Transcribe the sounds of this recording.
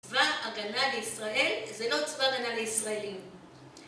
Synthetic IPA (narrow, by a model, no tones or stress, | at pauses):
vaːɡanaleisʁae̞lzelo̞t͡svaɡanaleisʁaelim